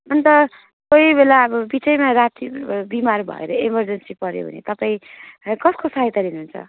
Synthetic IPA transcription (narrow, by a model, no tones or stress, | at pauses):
ʌnt̪ʌ | kojbʱelaʌbʌbit͡sʌjmaɾat̪ibimarbʱʌ̰ḛɾʌimʌrd͡zʌnsipʌɾjo̰bʱʌ̰nḛt̪ʌpaĩkʌskosaɦet̪aɾinuɦːunt͡sʰʌ̰